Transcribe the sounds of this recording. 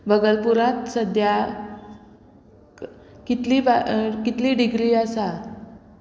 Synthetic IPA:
bəɡəlpuɾat̪səd̪ʱja | kit̪liːʋakit̪liːɖiɡɾiːəsa

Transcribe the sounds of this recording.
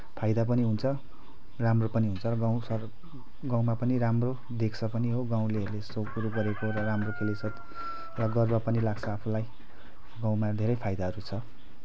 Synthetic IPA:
pʰajd̪ap̬ʌniɦunt͡sʰʌ | ramropʌniɦunt͡sʰʌrʌɡaw̃sʌr | ɡãw̃mapʌniɾamro | d̪ekʰt͡sʰʌpʌniɦoɡaw̃leɦʌɾulesokuɾuɡʌɾekoɾʌramrokʰelesʰʌt̪ | rʌɡʌrbapʌnilaɡt͡sʰʌːpʰulaj | ɡãw̃mad̪ʱeɾʌjpʰajd̪aɦʌɾut͡sʰʌ

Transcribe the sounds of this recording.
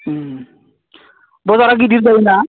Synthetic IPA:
bɔzaɾaɡidiɾd̪ajna

